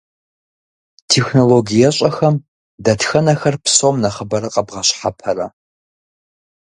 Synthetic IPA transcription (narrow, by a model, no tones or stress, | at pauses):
tʰeːxnoloɡijɐɕʼɐxɐm | dɐtxɐnɐxɐrpsomnɐχəbɐɾɐqɐbʁɐɕħapʰɐɾɐ